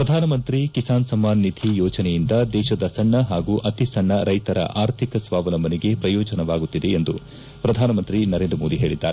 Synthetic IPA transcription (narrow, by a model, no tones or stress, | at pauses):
pɾɐd̪ʱaːnɐmɐnt̪ɾikisaːnsɐmːaːnːid̪ʱijɔːt͡ʃɐnɛjind̪ɐd̪ɛːʃɐd̪ɐsɐɳːɐɦaːɡuːʔɐt̪isɐɳːɐɾɐjt̪ɐɾɐ̰ʔaːɾt̪ʰikɐsʋaːʋɐlɐmbʱɐniɡe̞pɾɐjɔːd͡ʒɐnɐʋaːɡut̪ːid̪e̞ːnd̪u | pɾɐd̪ʱaːnɐmɐnt̪ɾinɐɾeːnd̪ɾɐmoːd̪iɦe̞ːɭid̪ːa̰ːɾe